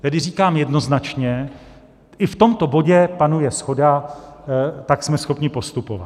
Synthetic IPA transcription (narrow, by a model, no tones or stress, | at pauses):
t̪ɛdɪriːkaːmjɛdno̞znat͡ʃɲɛ | ɪft̪o̞mt̪o̞bo̞ɟɛpanujɛsxo̞da | t̪aksmɛsxo̞pɲɪpo̞st̪upova̰